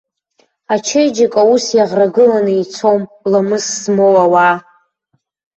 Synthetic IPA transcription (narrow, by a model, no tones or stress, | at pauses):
at͡ʃʰejd͡ʒakʼausjaʁraɡɨlanɨit͡sʰomlamɨsːmowawa